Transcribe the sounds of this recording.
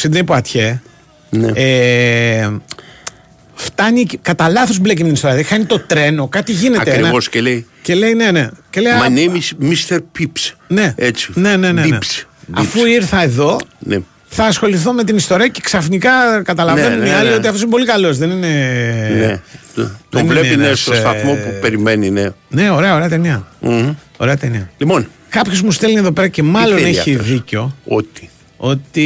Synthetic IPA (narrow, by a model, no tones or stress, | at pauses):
sid̪ineipoɐt̪çe | nḛe | ft̪ɐɲikɐt̪ɐlɐθozblecimeinistoɾiɐðexɐɲit̪o̞t̪ɾe̞no̞kɐt̪iʝine̞tɐeɾinvoscelei | ce̞le̞ine̞ne̞ce̞lejɐnemismist̪eɾpipsne̞et͡si̥ne̞ne̞nenesɐ̰fuiɾθɐe̞ðo̞nḛ | θɐːsxo̞liθome̞t̪̬inist̪o̞ɾiɐce̥ksɐfnikɐkɐt̪ɐlɐvvenuniɐlio̞t̪iɐft̪osimp̬o̞likɐlo̞zðe̞nine̞ne | tðonivleinest̪ost̪ɐθmopupeɾimeninene̞o̞ɾe̞ɐoɾe̞ɐt̪eniɐ | o̞ɾe̞ɐt̪eniɐlipon | kɐpçozmust̪elnieðo̞pe̞ɾɐce̞mɐloneçiðiceo̞o̰t̪i̥ | o̞t̪i